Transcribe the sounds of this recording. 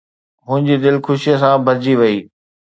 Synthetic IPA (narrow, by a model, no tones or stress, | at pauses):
ɦʊ̃ɦɪ̃ɲd͡ʑid̪ɪlxʊʃijəsãbʱɐɾd͡ʑiʋɐiː